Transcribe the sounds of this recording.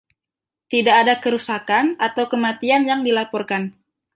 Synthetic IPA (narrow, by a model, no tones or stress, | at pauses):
t̪idaːdakəɾusakanʔat̪awkəmat̪ianjaŋdilapɔrkan